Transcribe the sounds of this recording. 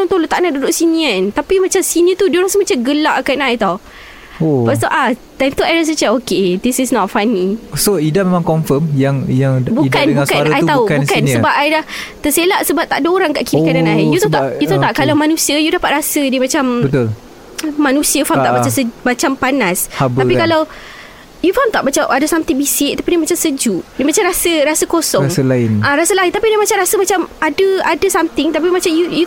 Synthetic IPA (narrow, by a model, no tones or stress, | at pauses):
aŋt̪olot̪aʔnaʔdudʊʔsinĩant̪apimat͡ʃamsinət̪udioɾãsəmat͡ʃaɡəlaʔkaʔnaʔjt̪aw | obast̪oʔat̪ajmt̪uajlas̬ət͡ʃaokedisisnɔtfanisoidamemãŋkɔnfəmjaŋjaŋbudkanbukanajt̪aukbukansəbap̚ajdaht̪əselaʔsəbap̚t̪aʔdəoɾaŋkaʔkiikananaijut̪ot̪aʔjut̪ot̪aʔkalamanũsiəjudahpat̪̚ɾasədimãt͡ʃambət̪ulː | anũsiəfat̪aʔbat͡ʃasəbat͡ʃampanasb̪apikalaw | jufamt̪aʔbat͡ʃaʔadəsamt̪ɪŋbisɪʔ̚t̪apidimat͡ʃamsəd͡ʒudimat͡ʃamɾasəɾasəkosɔɾasəlaɪnʔãɾasəlaint̪apidimãt͡ʃamɾasəmat͡ʃamadəadasamt̪ɪŋt̪apimat͡ʃamjuju